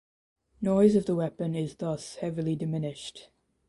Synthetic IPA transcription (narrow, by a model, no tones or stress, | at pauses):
nɔɪzəvðəwɛpə̃nɪzðʌshɛvəlidɪmɪnɪʃt